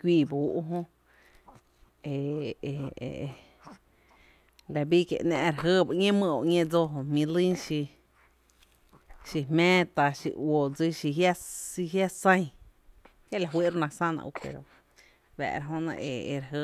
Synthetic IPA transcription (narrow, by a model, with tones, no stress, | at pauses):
kʷiː˧˨buː˦ʔu˦ɦõ˦ | ḛ˨ | la˨bi˦kḛ˧˨ʔnãː˧ʔɾa˨ɦəː˦ba˧ʔŋẽ˦mə̃˧˨o˧˨ʔŋẽ˦d͡zo˧ɦo˧mĩ˧lĩ˦ʃi˧ | ʃi˧ɦmɛ̃ː˦t̪a˧ʃḭ˧ʔwo˨d͡zi˦ʃi˧ɦja˦i˧ɦja˦sə̃˦˧j̃ | ke˦˨la˧˨ɦwi˦ʔɾnã˧sã˦nã̰˧ʔṵ˧pḛ˨ɾo˨ | bæ̰˨ʔɾa˧ɦõ˧nã̰˧ʔe˨e˧ɾɦə˧